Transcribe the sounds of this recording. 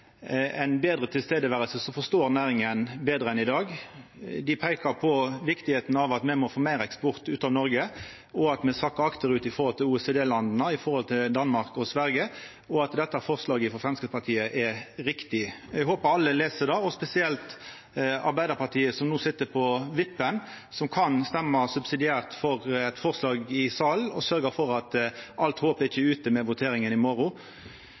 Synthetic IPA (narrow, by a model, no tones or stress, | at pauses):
ɛɪnbeːd̪ʁət̪ʰɪlst̪eːd̪əʋæːʁəlsəsɔfɔst̪oːɾnæːɾɪŋənbeːd̪ʁəɛnɪd̪ɑːɡ | d̪ɪpʰæɪkɑpʰɔʋɪkt̪ɪheːt̪n̩ɑʋɑt̪mɛmɔfoːmæɪɾɛkspɔʁt̪ʉːt̪ɑːʋnɔɾɡə | ɔɑt̪mɛsɑkːəɑkt̪əɾʉːt̪ɪfɔʁhɔlt̪ʰɪluːɛseːd̪eːlɑnd̪nəɪfɔɾhɔlt̪ʰɪld̪ɑnmɑʁkɔsʋæɾɡə | ɔɑt̪d̪ɛt̪ːəæfɔʁslɑːɡəfɔfʁɛmskəspɑt̪ʰiːəʔɛɾɪkt̪ɪɛɡɦoːpəɑlːəleːsəd̪ɑːɔspɛsɪɛlt̪ | ɑɾbæɪd̪əʁpɑʁt̪ʰiːəsɔmnuːsɪt̪ːəpʰɔʋɪpːən | sɔmkʰɑnst̪ɛmːəsʉbsɪd̪ɪæːʁt̪fɔʁɛt̪fɔʁslɑːɡɪsɑːlnɔsœɾɡəfɔɾɑt̪ʔɑlt̪hoːpəɾɪçːəʉːt̪əmɛʋʊt̪ʰeːɾɪŋənɪmɔɾʊ